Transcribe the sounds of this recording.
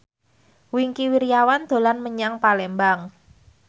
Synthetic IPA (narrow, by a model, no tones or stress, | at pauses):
wiŋkiwiɾijawand̪̥o̤lanməɲaŋpalɛmbaŋ